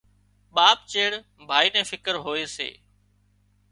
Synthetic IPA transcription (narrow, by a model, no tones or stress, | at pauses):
ɓaːp̚t͡ʃeːɽ | bʱaːiːnɛ̃ːfɪkəɾɦoːeːsḛː